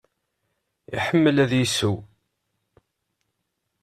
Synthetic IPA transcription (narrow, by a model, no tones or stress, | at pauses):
ḭħəmːəlæðjisu